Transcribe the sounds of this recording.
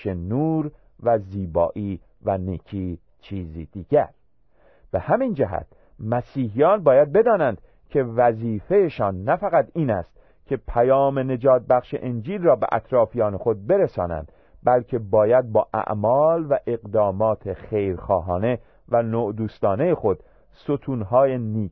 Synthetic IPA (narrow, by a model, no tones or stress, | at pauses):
ʃenuːɾ | væziːbɒ̰ːʔiː | væniːcʰiː | t͡ʃʰiːziːd̪̥iːɡ̥æɾ | b̥ehæmind͡ʒæɦæ̰t̪ | mæsiːhijɒːnbɒːjæd̪̚be̞d̪ɒːnænd̪̥ | kʰe̞væziːfe̞jeʃɒːnːæfæɣæt̪iːnæst̪̚ | kʲʰe̞pʰæjɒːmene̞d͡ʒɒːt̪̚bæxʃḛʔend͡ʒiːlrɒːbḛʔæ̰t̪ʰɾɒːfijɒːnexo̞d̪̚be̞ɾesɒ̰ːnæ̰nd̪ | bælcʰe̞bɒːjæd̪̚bɒːʔæ̰ʔmɒːlvæʔeɣd̪ɒːmɒːt̪ʰexejɾxɒːɦɒːne̞ | vænoːʔd̪uːst̪ɒːne̞jexo̞d̪̥ | sot̪ʰuːnɦɒːjeniː